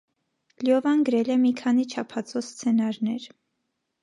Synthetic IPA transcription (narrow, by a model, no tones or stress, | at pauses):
ljɔvɑnɡəɾɛlɛmikʰɑnit͡ʃʰɑpʰɑt͡sʰɔst͡sʰɛnɑɾnɛɾ